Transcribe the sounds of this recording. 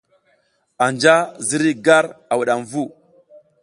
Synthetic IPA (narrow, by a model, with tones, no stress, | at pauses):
a˨nd͡ʒa˦zi˦ɾi˦ɡa˦ɾa˨wu˨ɗa˨mvu˦